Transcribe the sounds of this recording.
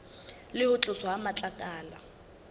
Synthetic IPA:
lɪhʊt͡ɬʼʊsɔamat͡ɬʼakʼaːla

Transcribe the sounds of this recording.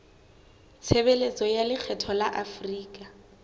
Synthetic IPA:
t͡sʰebelet͡sɔjalɪk͡xʰɛtʰɔlaʔafriːkʼa

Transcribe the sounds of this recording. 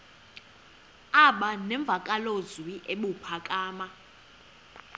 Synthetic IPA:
aɓanɛɱb̪vʱakʼalozwiʔeɓupʰakʼaːma

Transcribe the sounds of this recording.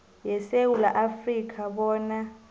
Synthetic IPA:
jɛsewula̰ʔafrik̬ʰaɓɔːna

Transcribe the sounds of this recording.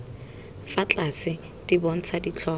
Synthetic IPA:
fat͡ɬʼasɪ | tʼibɔn̩t͡sʰadit͡ɬʰɔː

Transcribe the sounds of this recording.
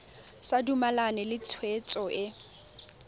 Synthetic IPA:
sadumalanɛlɪt͡sʰwet͡sʼɔʔɪ

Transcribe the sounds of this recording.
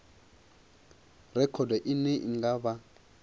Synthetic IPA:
rɛkʰɔdaʔinɛʔḭŋɡaba

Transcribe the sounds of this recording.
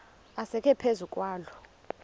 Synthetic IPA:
asɛkʰɛpʰezukʼwaːlɔ

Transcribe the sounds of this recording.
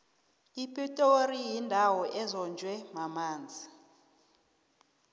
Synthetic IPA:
ipʼitʼorijindʱawɔʔɛzɔnd͡ʒʱwɛmamaːnd͡zʱi

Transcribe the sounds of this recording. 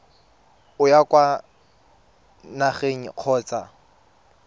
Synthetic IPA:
ʊjakʼwa | naχeŋ̩q͡χʰɔːt͡sa

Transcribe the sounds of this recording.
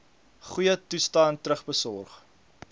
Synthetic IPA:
χujətustɑːntəɾəχbəsɔrχ

